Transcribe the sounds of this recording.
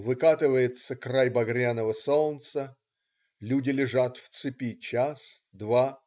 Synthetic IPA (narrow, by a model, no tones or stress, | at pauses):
vɨkat̪ɨvəjɪt̪səkrajbɐɡɾʲanəvəsolˠnt̪sə | lʲudʲɪlʲɪʐat̪ft̪sɨpʲit͡ɕas | d̪va